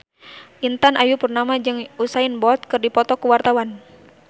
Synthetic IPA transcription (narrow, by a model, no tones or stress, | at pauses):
ʔint̪anʔajupurnamad͡ʒɨŋusainbɔt̪̚kɨrdipɔt̪ɔkuwart̪awan